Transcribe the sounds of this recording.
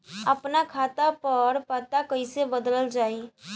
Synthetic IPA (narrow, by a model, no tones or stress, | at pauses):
əpnakʰaːt̪apəɾpaːt̪akəisebəd̪ələld͡ʒaːi